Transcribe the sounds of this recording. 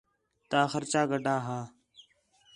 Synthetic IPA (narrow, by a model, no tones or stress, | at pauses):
t̪aːxəɾt͡ʃaːɡəɖʱaːɦaː